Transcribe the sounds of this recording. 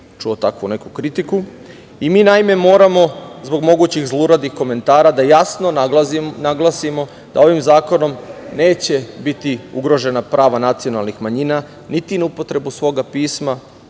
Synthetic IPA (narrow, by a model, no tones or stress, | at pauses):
t͡ʃuot̪akʋune̞kukɾit̪iku | imiːnaime̞mo̞ːɾamo̞zbo̞ɡmo̞ɡuːt͡ɕiɣzlˠuɾad̪ixko̞me̞nt̪aːɾad̪ajasno̞naɡlˠasimo̞ | d̪ao̞ʋimzaːko̞no̞mne̞ːt͡ɕe̞bit̪iuɡɾo̞ʒe̞napɾʔaːʋanat̪sio̞nalˠnixmaɲina | nit̪inaupo̞t̪ɾe̞busʋo̞ɡapiːsma